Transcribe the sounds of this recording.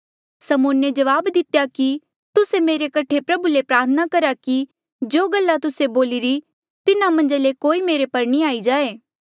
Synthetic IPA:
sɐmʊːned͡ʒɐʋaːbd̪ɪt̪jaki | t̪ʊsemeːɾekɐʈʰepɾɐbulepɾaːɾt̪ʰənakɐɾaki | d͡ʒoːɡɐlːat̪ʊseboːliɾi | t̪ɪnãmɐ̃nd͡ʒalekoːimeːɾepɐɾnĩaːid͡ʒaːeː

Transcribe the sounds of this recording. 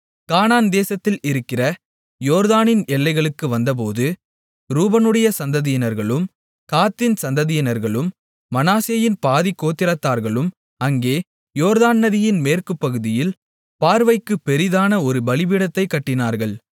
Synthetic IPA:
kaːnaːnd̪eːsɐt̪ːɪlɪɾɯkːɪrɐ | joːɾðaːnɪnɛlːɐɪɣɐɭɯkːɯʋɐnd̪ɐp̬oːðɯ | ɾuːbɐnɯɽɐjɐsɐnd̪ɐðɪjɪnɐɾɣɐɭɯm | kaːt̪ːɪnsɐnd̪ɐðɪjɪnɐɾɣɐɭɯmː | ɐnaːsɪjɐjɪnpaːðikːoːt̪ːɪɾɐt̪ːaːɾɣɐɭɯm | ɐŋɡeː | joːɾðaːnːɐðɪjɪnmeːrkɯpːɐɣɯðɪjɪl | paːɾʋɐɪkːɯpːɛɾɪðaːnɐɔɾɯbɐɭɪbɪɽɐt̪ːɐɪkːɐʈːɪnaːɾɣɐɭ

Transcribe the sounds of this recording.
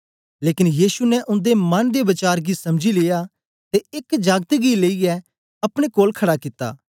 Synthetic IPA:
leːkɪnjiːsunɛʔʊ̃nd̪emɐnd̪ebɐt͡ʃaːɾɡisɐmd͡ʒileːja | t̪eɪkd͡ʒaːɡt̪ɡileːiɛ | ɐpɽ̃ekoːlkʰɐɽakɪt̪ːa̰ː

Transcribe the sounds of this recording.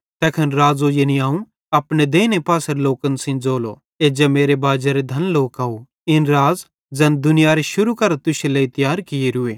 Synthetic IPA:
t̪ɛːkʰɐnɾaːzojenĩaːũ | ɐpned̪eːnepaːsəɾloːkənsɪ̃nd͡zoːlo̰ | eːd͡ʒemeːɾebaːd͡ʒaɾed̪ʱɐnloːkaːu | ɪnɾaːz | d͡ʒɐnd̪ʊnɪjaːɾeʃʊɾukɐɾt̪ʊʃeleɪt̪jaːɾkɪeɾʊeː

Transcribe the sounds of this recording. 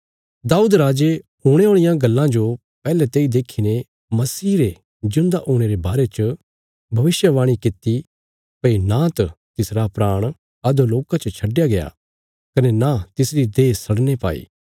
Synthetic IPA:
d̪aːuːd̪ɾaːd͡ʒeɦuːɽ̃eɦõːɽ̃ɪjãɡɐlːãd͡ʒo | pɛːlet̪eːid̪eːkʰːinẽ | mɐsiːɾe | d͡ʒʊ̃nd̪aʔũːɽ̃eɾebaːɾet͡ʃə | bʱɐʋɪsjəʋãːɽ̃ikɪt̪ːi | pɐinãt̪ɐt̪ɪsɾapɾaːɽ̃ | ɐd̪oloːkãt͡ʃɐt͡ʃʰɐɖːjaɡeja̰ | kɐnenat̪ɪsɾid̪eːsɐɽnepa̰ːḭː

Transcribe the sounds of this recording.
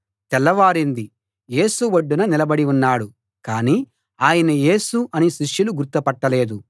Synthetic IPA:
t̪ɛlːɐʋaːɾind̪i | je̞ːsuʋɐɖːunɐnilɐbɐɽiunːaːɽu | kaːniː | aːjɐnɐje̞ːsuʔɐniʃiʂjuluɡuɾt̪ːɐpɐʈːɐle̞ːd̪u

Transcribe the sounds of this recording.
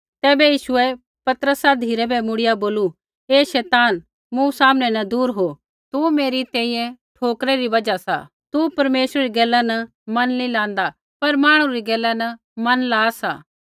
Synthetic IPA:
t̪ɛːbɛjiːʃʊɛ | pɐt̪əɾəsad̪ʱiːɾɛbɛmʊɽɪjaboːlu | eːʃɛːt̪aːn | mũsaːmnɛnɐd̪uːɾɦoː | t̪umeːɾit̪ɛ̃ːĩjɛ̃ʈʰoːkɾeɾiʋɐd͡ʒasa̰ | t̪upɐɾmeːsɾɛɾiɡɛːlːanɐ | mɐnlĩlãːnd̪a | pɐɾmaːɽ̃ũɾiɡɛːlːanɐ | mɐnlaːsa̰ː

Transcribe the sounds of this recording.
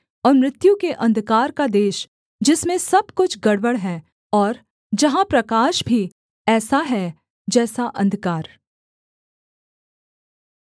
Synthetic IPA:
ɔːɾmɾɪt̪jũkeʔɐ̃nd̪kaːɾkad̪eːʃ | d͡ʒɪsmẽsɐb̚kʊt͡ʃʰɡɐɽwəɽɦɛː | ɔːɾ | d͡ʒɐɦãpɾɐkaːʃbʱi | ɛːsaɦɛ | d͡ʒɛːsaʔɐ̃nd̪ʱkaːɾ

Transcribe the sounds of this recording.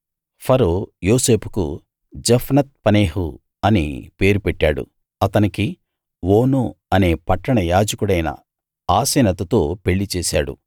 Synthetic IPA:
pʰɐɾoːjo̞ːse̞ːpʰukṵ | d͡ʒɐpʰnɐt̪̚pɐne̞ːɦu | ɐnḭpe̞ːɾupeʈːaːɽṵ | ɐt̪ɐniki | woːnuɐne̞ːpɐʈːɐɳɐjaːd͡ʒɐkuɽɐjnɐ̰ | aːseːnɐt̪ɐt̪o̞ːpe̞ɭːit͡ʃeːsa̰ːɽṵ

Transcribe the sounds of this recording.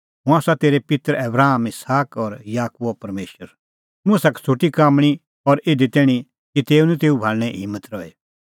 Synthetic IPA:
ɦʊ̃aːsat̪eːɾepɪt̪əɾɛbɾaːmɪsaːkɔɾjaːkuopɐɾmeːʃəɾ | mʊ̃sakt͡sʰuʈikaːmɽ̃i | ɔɾɪd̪it̪ɛːɽ̃i | kit̪eːũnɛ̃t̪eːubʱaːlñɛ̃ɦɪmːət̪ɾɔe

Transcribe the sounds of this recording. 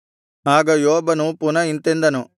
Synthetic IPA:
ɦaːɡɐjoːbɐnupunɐint̪end̪ɐnu

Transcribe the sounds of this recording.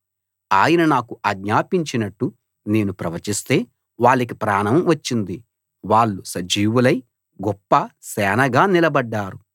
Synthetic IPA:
aːjɐnɐnaːkuʔɐɡɲaːpiɲt͡ʃinɐʈːu | ne̞ːnupɾɐʋɐt͡ʃist̪e̞ː | ʋaːɭːik̬ipɾaːnɐmʋɐt͡ʃːind̪i | ʋaːɭːusɐd͡ʒiːʋulɐj | ɡɔpːɐsɛːnɐɡaːnilɐbɐɖːaːɾu

